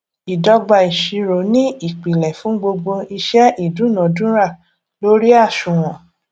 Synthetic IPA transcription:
i˨dɔ˧ɡ͡ba˧˨i˨ʃi˧ɾo˨nĩ˦i˦˨k͡pi˨lɛ˨fũ˨˦ɡ͡bo˧ɡ͡bo˧i˧ʃɛ˦ʔi˦˨dũ˨˦nã˨dũ˦ɾa˦˨ | lo˦ɾi˦a˦˨ʃũ˨w̃ɔ̃˨

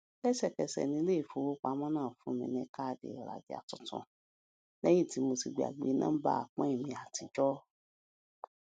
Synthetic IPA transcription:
ɛ˦sɛ˦˨kɛ˨sɛ̰˨nĩ˧˦le˦i˦˨fo˨˦wo˦k͡pa˧˦mɔ̃˦nãː˦˨fũ˨˦mḭ̃˧nɛ̃˧˦ka˦˨dḛ˨ɾa̰˨di˨a̰˨tɔ˧tɔ̰̃˧ | nɛ˦jĩ˦˨ti˨˦mo˧ti˧ɡ͡be˨a̰˨ɡ͡bḛ˨˦nã˦ba̰˦a˨k͡pã˦i˦˨mĩ˧˨a˨tĩ˨˧d͡ʒɔ˦

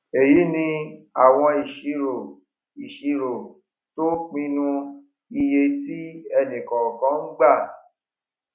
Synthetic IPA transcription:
e˨ji˨˦nĩ˧a˨w̃ɔ̃˧i˨ʃi˨˧˦ɾo˨ | i˨ʃi˨˧ɾo˨ | to˦k͡pĩ˧˦nũ˧ | i˧je˧ti˦ɛ˧nĩ˨kɔ̃˨kã˨˦n̩˦ɡ͡ba˦˨

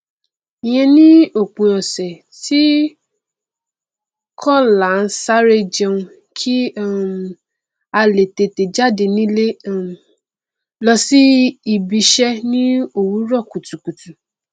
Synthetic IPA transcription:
i˨j̃ɛ̃˧nĩ˦o˦˨k͡pũ˨ɔ̃˨sɛ˨ | ti˦ | kʰɔ˦˨la˨n̩˦sa˦ɾe˧d͡ʒe˧ũ˧ | kʰi˦ | a˧le˨te˨te˨d͡ʒa˦˨de˨nĩ˦le˦˨ | lɔ˧si˦i˨bi˧ʃɛ˦nĩ˦o˦˨wu˨˦ɾɔ˦˨ku˨tu˨ku˨tu˨

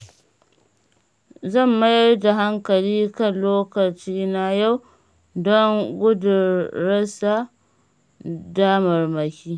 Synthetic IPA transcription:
zɐ˦˨mːa˦jda˨ɦa˦ŋkɐ˨liː˦kɐ˦˨nloː˦kɐ˨t͡ʃiː˦na˦ja˦w | dɔ˦ŋɡʷʊ˦dʊː˨ɐ˦sa˨ | daː˦mɐ˨rmɐ˨kʲiː˦

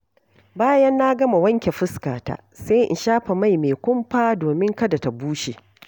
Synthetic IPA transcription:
baː˦jɐ˦nːa˦ɡɐ˦ma˨wɐ˦ŋkʲe˨ɸʊ˦ska̰ː˨ta̰˨ | sa˦jʔɪ̰˨nʃaː˦ɸa˨ma˦˨jmeː˨kʷʊ˦mɸaː˦doː˨mɪ˦ŋkɐ˦da˨ta˨buː˦ʃe˨

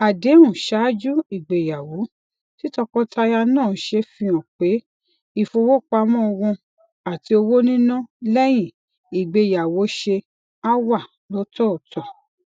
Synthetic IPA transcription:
a˨de˨˦ũ˨ʃa˨˦d͡ʒu˦i˦˨ɡ͡be˨ja˨wo˨˦ | ti˦tɔ˧kɔ˦tʰa˧ja˧nãː˦˨˦ʃe˧fĩ˧ɔ̃˨k͡pe˨˦ | i˨fo˧wo˦k͡pa˧mɔ̃˦ɔ˧wũ˧ | a˨ti˨˧˦o˧wo˦nĩ˦nũ˦lɛ˦j̃ĩ˦˨ | i˨ɡ͡be˨˧˨ja˨wo˨˦ʃe˧ | a˦wa˦˨ | lɔ˨˦tɔ˦ɔ˨tʰɔ˨

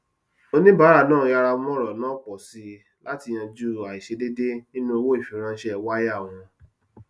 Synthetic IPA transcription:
o˦˧nĩ˦ba˨˦ɾa˦˧˨nãː˦˨ũ˧ja˧ɾa˧˦mɔ̃˦ɾɔ˨nã˦k͡pɔ˨si˧ | la˦ti˧j̃ã˧d͡ʒu˦˨a˨i˨ʃe˧de˦de˦nĩ˦nũ˦o˧wo˦i˦˨fi˨ɾ̃ã˧˦ʃɛ˦˨wa˦ja˦˨w̃ɔ̃˧

